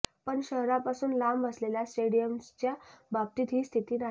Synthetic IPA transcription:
pəɳɕəɦɾapasuːnlamʋəsleljasʈeɽijəmt͡ɕjabʱab̚t̪iːt̪ɦiːst̪ʰit̪iːna

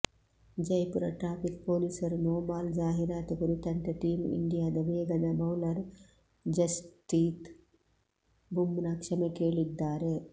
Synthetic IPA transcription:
d͡ʒɐjpuɾɐ̰ʈɾaːpikpoːlisɐɾnoːbaːld͡ʒaːɦiɾaːt̪ukɐɾut̪ɐnt̪ɐʈiːmḭɳɖijaːd̪ɐʋeːɡɐd̪ɐbʱɐwlɐɾ | d͡ʒɐsʈiːt̪ | bʱumnaːkʂɐmekeːɭid̪ːaːɾe

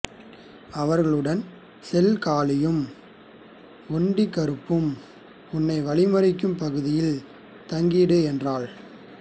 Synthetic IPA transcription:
ɐʋɐɾɣɐɭɯɽɐn | sɛlkaːlɪjɯm | ɔɳɖikːɐɾɯpːɯm | ʊnːɐɪʋɐɭɪmɐɾɪkːɯmpɐɣɯðɪjɪl | t̪ɐŋɡiːɽɯɛndraːɭ

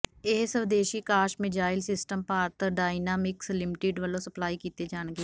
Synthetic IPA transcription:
eːsəʋd̪eːʃiːkaːʃmɪd͡ʒaːɪlsɪsʈəmpaːɾt̪ɖaːɪnaːmɪkslɪmɪʈeːɖʋəlõːsəplaːiːkiːt̪eːd͡ʒaːnɡeː

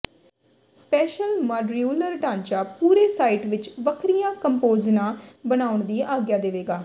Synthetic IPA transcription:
spɛːʃəlmaːɖɾiuːləɾɖãːɲt͡ʃaːpuːɾeːsaːiʈʋɪt͡ʃʋəkʰɾijãːkəmpoːznãːbənaːʊɳd̪iːʔaːɡjaːd̪eːʋeːɡaː

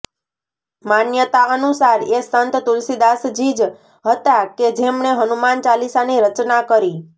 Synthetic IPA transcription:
manjət̪aənusaɾesant̪t̪ulsid̪asd͡ʒid͡ʒ | ɦət̪aked͡ʒemɳeɦənumant͡ʃalisaniɾət͡ʃnakəɾi

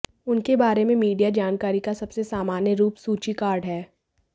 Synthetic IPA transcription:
ʊnkebaːɾemẽmiːɖijad͡ʒaːnkaːɾikasɐbsesaːmaːnjəɾuːpsuːt͡ʃikaːɾɖɦɛː

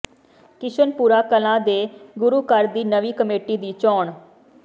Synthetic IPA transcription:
kɪʃənpuːɾaːkəlãːd̪eːɡʊɾuːkəɾd̪iːnəʋiːkəmeːʈiːd̪iːt͡ʃɔːɳ

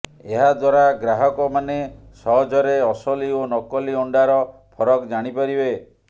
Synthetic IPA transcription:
eɦad̪waɾaɡɾaɦɔkɔmanesɔɦɔd͡ʒɔɾeɔsɔlionɔkɔliɔɳɖaɾɔpʰɔɾɔkd͡ʒaɽ̃ipaɾibe

